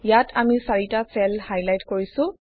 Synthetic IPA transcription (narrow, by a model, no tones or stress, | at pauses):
jatʰamisaɹitasɛlhajlajtkoɹisʊ̃